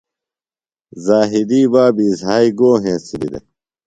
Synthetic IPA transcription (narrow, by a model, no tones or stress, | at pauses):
zaːɦid̪iːbaːbiːzɦaːiɡoːɦẽːsid̪ḭd̪ḛ